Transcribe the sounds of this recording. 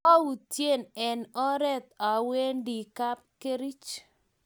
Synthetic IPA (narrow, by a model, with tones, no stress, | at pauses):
a˦wu˨tje˦˨nɛ˨nɔ˦ɾɛ˦t̪a˨we˦ndi˨ka˦p̚ke˦ɾi˦t͡ʃ